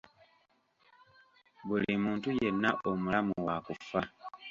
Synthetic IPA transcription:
bulimuːntuje̞nːaʔomulamuwakufa

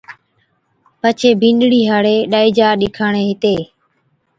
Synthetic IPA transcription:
pət͡ʃʰeːbʱĩːnɗɽiːɦaɽeːɗaːiːd͡ʒaːɗɪkʰaːɳeːɦɪt̪eː

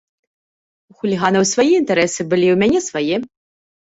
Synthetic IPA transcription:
uxulʲiɣanɐwsvajɛint̪ɛɾɛsɨbɨlʲiwmʲanʲɛsvajɛ

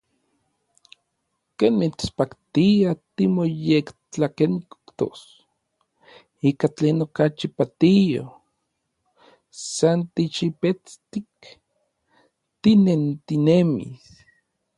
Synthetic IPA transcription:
keːnmit͡spakt̪iat̪imojekt͡ɬakenikt̪o̰s | ikat͡ɬeːnokat͡ʃipat̪ijo̰ | sant̪it͡ʃipet͡st̪ik | t̪inent̪inemḭs

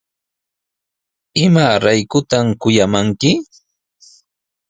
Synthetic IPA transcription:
ɪmaɾajkʊt̪amkʊjamaŋkɪ

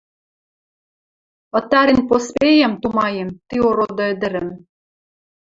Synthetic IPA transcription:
ɤ̆t̪ɑɾinpospejæmt̪umɑjemt̪ioɾod̪ɤɘ̆d̪ɘ̆ɾɘ̆m

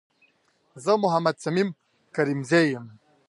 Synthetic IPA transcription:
zəmuɦamad̪̚sɐmim | kɐɾimzejəm

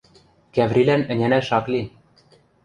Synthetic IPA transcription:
kæβɾilænɘ̆nʲænæʃɑkli

